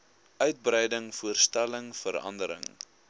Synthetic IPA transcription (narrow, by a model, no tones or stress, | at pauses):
ʔœɥt̚brɛjdəŋfuərstæləŋfəɾɐ̰ndəɾə̰ŋ